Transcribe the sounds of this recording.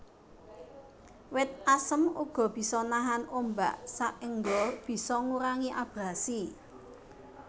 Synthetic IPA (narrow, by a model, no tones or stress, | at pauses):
wɪt̪̚asəmuɡ̥ɔ̤b̥i̤sɔnaɦanʔomba̰ʔsaʔəŋɡɔb̥i̤sɔŋuɾaŋiʔab̥ɾasi